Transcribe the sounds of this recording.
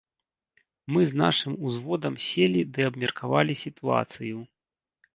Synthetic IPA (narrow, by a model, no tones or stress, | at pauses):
mɨzna̰ʂɨmuzvɔd̪ɐmsʲelʲid̪ɨɐbmʲɛrkʰavalʲisʲit̪ua̰t̪sɨju